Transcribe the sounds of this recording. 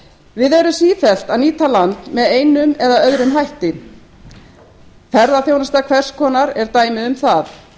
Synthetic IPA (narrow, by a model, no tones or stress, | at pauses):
vɪðɛɾʏsiːfɛl̥t̪aðniːt̪alant̪mɛðeːjnʏmɛðaœðɾʏmɦajht̪ɪ | fɛɾðaθjownast̪akʰvɛr̥skʰɔːnaɾɛɾt̪aːjmɪðʏmθaθ